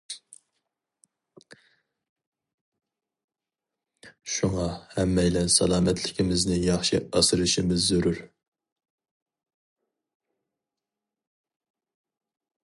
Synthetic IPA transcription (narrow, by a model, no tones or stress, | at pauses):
ʃuŋɑhɛmːɛjlɛnsɑlˠɑːmɛt̪ʰlɪkʲimɪznɪjɑχʃḭɑsɨɾɨʃimɪzːøɾuɾ